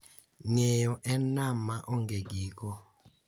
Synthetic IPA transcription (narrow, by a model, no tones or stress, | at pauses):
ɲejɔʔɛnamaʔɔŋɡeɡikɔ